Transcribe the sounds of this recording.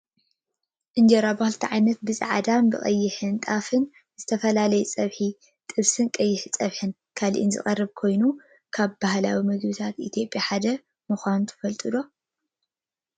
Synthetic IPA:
ʔɨnd͡ʒɐɾabahlt̪ʰiʕajnɐt̪̚bɨz̰ʼʕa̰d̪ambɨ̰χʼɐ̰jːɪħɨnt̪ʼafɨn | zɨt̪ʰɐfɐlalɐjɛt͡sʼɐβħi | t̪ʼɨβsɨnkʼɐjːɪħɨt͡sʼɐβħɨn | kʰalʔḭnzɨ̰χʼɐrːɨβkʰo̞jnu | kʰaβbahlawimɐɡbɨt̪ʰat̪it̪ʰjo̞pʼjaħad̪ɐ | mɨxʷanut̪ʰɨ̥fɐlt̪ʼɨd̪o̞

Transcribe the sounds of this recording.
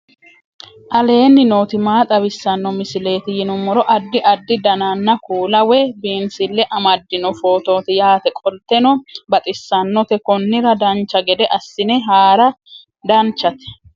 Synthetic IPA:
ʔɐle̞ːnːɪnoːt̪ɪmaːt̪ʼɐbɪsːɐnːɔmɪsɪle̞ːt̪ɪjɪnʊmɔɾɔʔɐd̪ːɪʔɐd̪ːɪd̪ɐnanːɐkuːlɐwɛbeːnsɪlːɛʔɐmɐd̪ːɪnɔfo̞ːt̪o̞ːt̪ɪjaːt̪ɛkʼɔlt̪ːɛnɔbɐt̪ʼɪsːɐnːɔt̪ɛkɔnːɪɾɐd̪ɐnt͡ʃːɐɡɛd̪ɛʔɐsːɪnɛɦaːɾɐ | d̪ɐnt͡ʃːɐt̪ɛ̥

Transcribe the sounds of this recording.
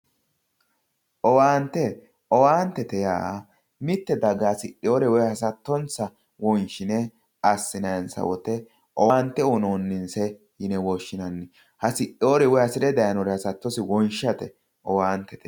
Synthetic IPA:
ʔɔwaːnt̪ːɛ | ɔwaːnt̪ːɛt̪ɛja̰ː | mɪt̪ːɛd̪ɐɡaːsɪɗoːɾɛwɔjhɐsɐt̪ːɔnt͡sːɐ | wɔnʃɪnɛ | ɐsːɪnɐɛnsɐ̰wɔ̰t̪ɛ | ʔɔwaːnt̪ːɛɔnoːnːɪnsɛ | jɪnɛwɔʃːɪnɐnːɪ | hɐsɪɗːoːɾɛwɔjɐsɪd̪ɛd̪ɐjɐnɔɾɛhɐsɐt̪ːɔsɪwɔnʃɐt̪ɛ | ɔwaːnt̪ːɛt̪ɛ

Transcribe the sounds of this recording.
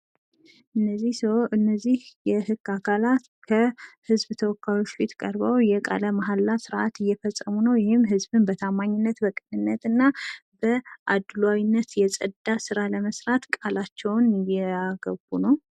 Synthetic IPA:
ʔɨnːəzːihsəwʔɨnːəzːihjɛhɨɡ̥ːakʰalat̪kʰəhɨzbt̪ʰəwɔkʰːawot͡ʃːfet̪ʰkʼə̰ɾbawjɛkʼa̰ləmaɦalːasɨɾʔat̪ɨjːɛfəsʼəmunəwjɛhɪmːɦɨzbɨnbət̪ʰamːaɲːɪnːət̪bəkʼɨnɨnːət̪ɨnːabəʔad̪lawinːət̪jɛsʼəd̪asɨɾaləməsɾat̪kʼalat͡ʃːɛwnjɛaɡ̥əbunəw

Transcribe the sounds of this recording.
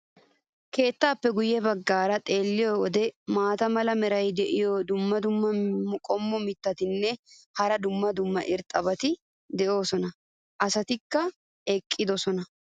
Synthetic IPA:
ke̞ːt̪ːaːpːɛɡʊjːɛbɐɡːaːɾɐt̪ʼe̞ːlːɪjɔɔd̪ɛmaːt̪ɐmɐlɐmɛɾɐjd̪ɛʔɪjɔd̪ʊmːɐd̪ʊmːɐʊkʼɔmːɔmɪt̪ːɐt̪ɪnːɛhɐɾɐd̪ʊmːɐd̪ʊmːɐʔɪɾt̪ʼːɐbɐt̪ɪ | d̪ɛʔo̞ːsɔnɐ | ʔɐsɐt̪ɪkːɐ | ɛkʼːɪd̪ɔsɔnɐ

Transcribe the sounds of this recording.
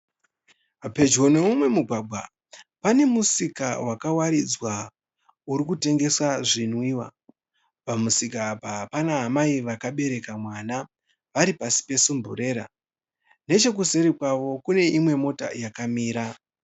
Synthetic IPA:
pe̞d͡ʒwo̞ne̞umwe̞muɡʱwaɡ͡bʱwa̰ | pane̞musikawakawaɾid͡zwa | uɾikute̞ŋɡe̞swaʐinwiːwa̰ | pamusikapapanaɦamaiʋakaɓe̞ɾe̞kamwana | ʋaɾipasi̥pe̞sumbṵre̞ːɾa | ne̞t͡ʃe̞k̬use̞ɾikwaʋo̞kune̞ʔimwe̞mo̞ta̰jakamiːɾa

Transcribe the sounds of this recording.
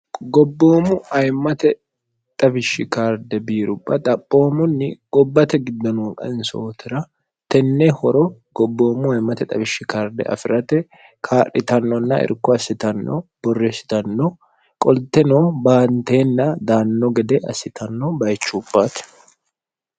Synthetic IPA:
ɡɔbːoːmʊɐjmɐt̪ɛ | t̪ʼɐbɪʃːɪkaːɾd̪ɛbiːɾʊbːɐt̪ʼɐpʼːo̞ːmʊnːɪɡ̥ɔbːɐt̪ɛɡɪd̪ːɔnokʼɐ̰nso̰ːt̪ɪɾɐ | t̪ɛnːɛhɔɾɔɡ̥ɔbːo̞ːmʊɐjmːɐt̪ɛt̪ʼɐbɪʃːɪkaːɾd̪ɛ̰ʔɐ̰fɪɾɐt̪ɛ | kʰaːɾɪt̪ɐnːɔnːɐʔɪ̰ɾkːɔɐsɪt̪ɐnːɔ̰b̥ɔrːesɪ̥t̪ɐnːɔ | kʼɔlt̪ːɛnobaːnt̪eːnːɐd̪aːnːɔɡɛd̪ɛɐ̰sɪt̪ɐnːɔbɐjt͡ʃːub̥ːaːt̪

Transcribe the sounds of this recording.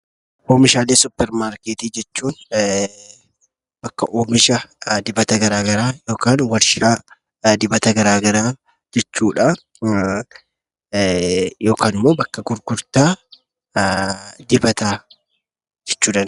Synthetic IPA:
ʔoːmɪʃaːleːsʊpːɛɾmaːɾkeːt̪iːd͡ʒɛt͡ʃːuːn | bɐkːɐʔoːmɪʃɐd̪ɪbɐt̪ɐɡɐɾaːɡɐɾaːjo̞ːkaːnwɐɾʃɪɾaː | d̪ɪbɐt̪ɐɡɐɾaːɡɐɾaː | d͡ʒɛt͡ʃːuːᶑɐ | jo̞ːkaːnɪmːo̞ːbɐkːɐɡʊɾɡʊɾt̪aː | d̪ɪbɐt̪aː | d͡ʒɛt͡ʃːuːᶑɐn

